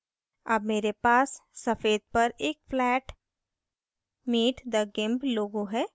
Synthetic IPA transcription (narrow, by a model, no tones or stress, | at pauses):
ɐbmeːɾepaːsːɐfeːd̪̚pɐɾeːk̚flɛːʈ | miːʈʰd̪ɐɡɪ̃mbloːɡõɦɛː